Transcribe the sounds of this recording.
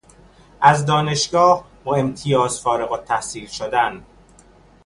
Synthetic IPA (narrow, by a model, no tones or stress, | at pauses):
ʔæzd̪ɒːne̞ʃɡɒːh | boemt̪ʰijɒːz̥fɒːɾeɣot̪ʰːæhsiːlʃod̪æn